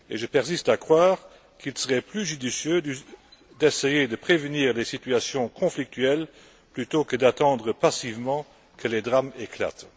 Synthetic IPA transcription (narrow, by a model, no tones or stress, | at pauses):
eʒəpɛʁs̬ist̪akχwaːʁ | kʰilsəʁɛplyʒyd̪isjø | d̪ɛsejed̪əpχevəniːʁlesit̪yasjɔ̃kʰɔ̃flik̚t̪ʰyɛl | plyt̪okəd̪at̪ɑ̃d̪ʁəpasivmɑ̃ | kʰəled̪ʁamekla̰t̪